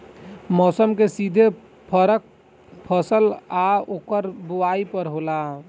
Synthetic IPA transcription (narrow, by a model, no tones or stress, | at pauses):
mɔsəmkesid̪ʱe | pʰəɾək̚ | pʰəsəlaokəɾbuaipəɾɦola